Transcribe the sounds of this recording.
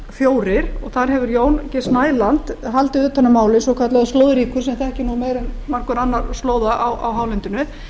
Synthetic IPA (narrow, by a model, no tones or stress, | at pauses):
fjoːwɾɪɾ̥ɔɣθaɾ̥ɦɛvʏɾjoːwncɛsnaːjlant̪ɦalt̪ɪðʏːt̪ʰːanːʏmaːwlɪsɔkʰat̪laðʏst̪oːwðɾiːkʏɾ̥sɛmθɛhcɪnumeːjɾɛnmar̥kʏɾanːaɾ̥st̪loːwðaʔawʔa̰wɦawlɛjnt̪ʏnʏ